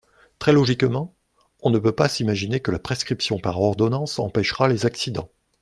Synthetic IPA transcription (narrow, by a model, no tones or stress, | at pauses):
t̪χɛlɔʒikmɑ̃ | ɔ̃nəpøpasimaʒinekəlapχeskχipsjɔ̃paʁɔʁd̪ɔnɑ̃sɑ̰̃pɛʃʁalezaksid̪ɑ̃